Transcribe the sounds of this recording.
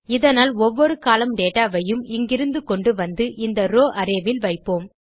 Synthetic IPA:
ɪðɐnaːlɔʋːɔɾɯkaːlɐmɖeːʈaːʋɐjɯmɪŋɡɪɾɯnd̪ɯkɔɳɖɯʋɐnd̪ɯʔɪnd̪ɐɾoːʔɐɾeːʋɪlʋɐɪpːoːm

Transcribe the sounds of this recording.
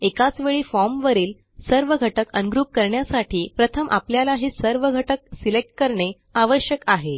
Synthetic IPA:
ekat͡sʋeɭiːfɔɾmʋəɾiːl | səɾʋəɡʱəʈəkənɡɾuːp̚kəɾɳjasaʈʰiːpɾət̪ʰəmʔa̰pljalaɦisəɾʋəɡʱəʈək̚silek̚ʈ̚kəɾɳe | aʋəɕjəkaɦe

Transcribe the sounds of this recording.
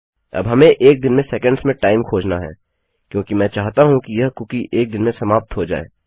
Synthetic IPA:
ɐ̰bɦɐmẽʔeːk̚d̪ɪnmẽsɛːkə̃ɳɖsmẽʈaːɪmkʰoːd͡ʒnaɦɛ̰ː | kjõːkimɛ̃ːt͡ʃaːɦt̪aɦũkijɐɦkʊkiʔeːk̚d̪ɪnmẽsɐmaːp̚t̪ɦod͡ʒa̰ːḛː

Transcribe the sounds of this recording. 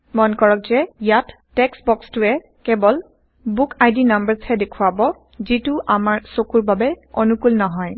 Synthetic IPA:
mɔnkɔɹɔk̚zɛjatːɛksbɔkstʊɛ | kɛbɔl | bukʰajdinambəɹshɛdekʰuabɔ | zitʊʔamaɹsokuɹbabɛonukulnɔɦɔj

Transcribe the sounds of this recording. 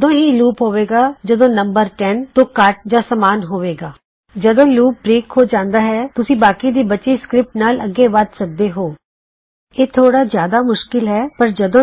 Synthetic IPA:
d̪õːɦiːluːpɦoːʋeːɡaːd͡ʒəd̪õːnəmbəɾʈɛnt̪õːkəʈ̚d͡ʒãːsəmaːnɦoːʋeːɡaː | d͡ʒəd̪õːluːp̚bɾeːkhoːd͡ʒãːnd̪aːɦɛːt̪ʊsĩːbaːkiːd̪iːbət͡ʃiːskɾɪp̚ʈnaːləɡːeːʋət̪sək̚d̪eːɦoː | eːt̪ʰoːɽaːzjaːd̪aːmʊʃkɪlɦɛːpəɾd͡ʒəd̪õː

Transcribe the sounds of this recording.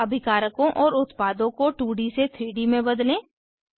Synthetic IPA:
ɐbʱɪkaːɾəkõʔɔːɾʊt̪paːd̪õkoʈuːɽiset̪ʰɾiːɽimẽbɐd̪lẽː

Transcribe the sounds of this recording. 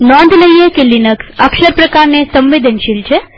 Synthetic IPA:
nɔ̃nd̪ʱləiekelːinəksəkʃəɾpɾəkaɾnesəmʋed̪ʱənʃilt͡ʃʰe

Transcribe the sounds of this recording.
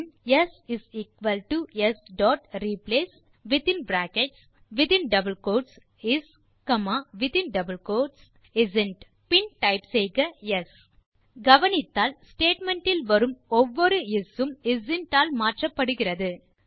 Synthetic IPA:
njɛsɪsiːkʋɐlʈuɛsɖɔːʈɾiːpleːs | ʋɪt̪ɪnbɾaːkɛʈs | ʋɪt̪ɪnɖɐbɐlkoːʈs | ɪs | kɐmaːʋɪt̪ɪnɖɐbɐlkoːʈs | ɪzɪnʈ | pɪnʈɐɪpsɛjɣɐjɛs | ɡɐʋɐnɪt̪ːaːlsʈeːʈmɛɳʈɪlʋɐɾɯmɔʋːɔɾɯɪsɯmɪzɪnʈaːlmaːʈrɐpːɐɽɯɣɪrɐðɯ

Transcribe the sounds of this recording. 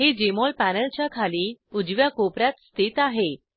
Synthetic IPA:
ɦed͡ʑemɔlpænəlt͡ɕjakʰaliːud͡zʋjakopɾat̪st̪it̪aɦe

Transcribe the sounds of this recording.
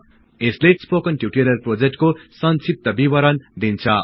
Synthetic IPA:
eslespokʌnʈjuʈeɾʌrprod͡zek̚ʈkosʌnsip̚t̪ʌbibʌɾʌnd̪int͡sʰʌ

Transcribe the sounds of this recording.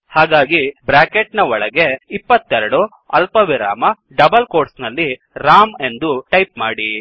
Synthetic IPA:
haːɡaːɡibɾaːkeʈnɐɔɭɐɡeipːɐt̪ːɛɾɐɽu | ɐlpɐʋiɾa̰ːmɐ | ɖɐbɐlko̞ːɾʈsnɐlːi | ɾaːme̞nd̪uʈɐjp̚maːɽi

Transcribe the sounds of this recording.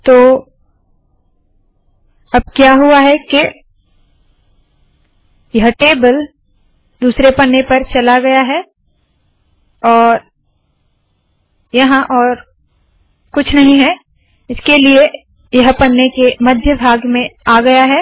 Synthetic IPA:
t̪oː | ɐb̚kjaːɦuaɦɛke | jɐɦəʈeːbəl | d̪uːsɾepɐnːepɐɾt͡ʃɐlaɡɐjaɦɛ | ɔːɾ | jɐɦãʔɔːɾ | kʊt͡ʃʰnɐɦĩɦɛ | ɪskelie | jɐɦpɐnːekemɐd̪ʱjəbʱaːɡmẽaːɡɐjaɦɛː

